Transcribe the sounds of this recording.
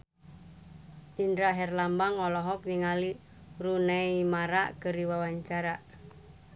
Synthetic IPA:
ʔindɾaɦɛrlambaŋɔlɔɦɔk̚niŋali | runeimaɾa̰ʔkəɾiwawaɲt͡ʃaɾaʔ

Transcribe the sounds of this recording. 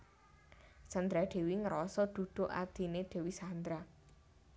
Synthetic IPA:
sand̪ɾaɖ̪̥e̤wiŋəɾɔsɔd̪̥ṳd̪̥o̤ʔa̰d̪̥i̤neɖ̪̥e̤wisand̪ɾa

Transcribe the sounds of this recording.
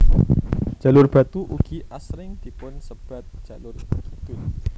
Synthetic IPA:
d͡ʒ̥a̤lʊrb̥at̪uʔuɡ̥iʔasɾɪŋd̪̥i̤pʊnsəb̥a̤t̪̚ʒ̥alʊrɡid̪̥ʊt̪̚

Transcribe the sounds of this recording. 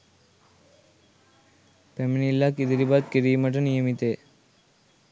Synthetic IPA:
peminilːakid̪ɾibad̪̚kiɾimɐʈ̬ɐnijəmit̪e

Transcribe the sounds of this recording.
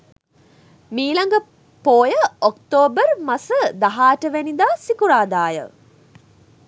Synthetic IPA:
miːlaŋɡə | poːjəokt̪oːbərmasəd̪aɦaːʈəʋenid̪aːsikuɾaːd̪aːjə̰

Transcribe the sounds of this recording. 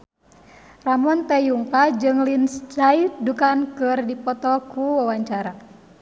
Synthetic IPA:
ramɔnt̪ɛjuŋkad͡ʒɨŋlinst͡ʃaidukankɨrdipɔt̪ɔkuwawaɲt͡ʃaɾa

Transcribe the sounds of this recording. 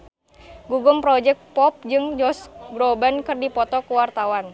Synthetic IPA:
ɡuɡʊmpɾɔd͡ʒɛk̚pɔp̚d͡ʒɨŋd͡ʒɔsɡɾɔbankɨrdipɔt̪ɔkuwart̪awan

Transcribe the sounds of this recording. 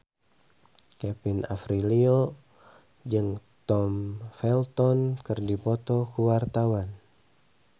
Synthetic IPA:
kɛpina̰fɾilio | d͡ʒɨŋt̪ɔmfɛlt̪ɔnkɨrdipɔt̪ɔkuwart̪awan

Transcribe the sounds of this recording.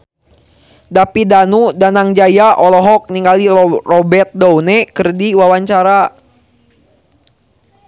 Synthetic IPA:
dapidanudanaŋd͡ʒajaʔɔlɔɦɔk̚niŋɡalirɔbɛrt̪̚downɛkərdiwawaɲt͡ʃaɾa

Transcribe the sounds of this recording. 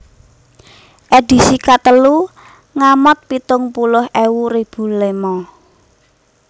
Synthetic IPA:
ʔeɖ̥i̤sikat̪əlu | ŋamɔt̪̚pit̪ʊŋpulʊhʔewuɾib̥ṳlemɔ

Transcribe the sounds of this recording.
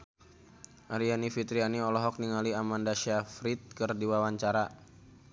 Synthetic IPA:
ʔaɾianifit̪ɾianiɔlɔɦɔk̚niŋaliamandaʃafɾit̪̚kərdiwawaɲt͡ʃaɾa

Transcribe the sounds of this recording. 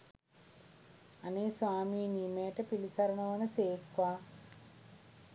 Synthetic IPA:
aneːsʋaːmiːniːmejəʈəpilisaɾənəʋənəseːkʋaː

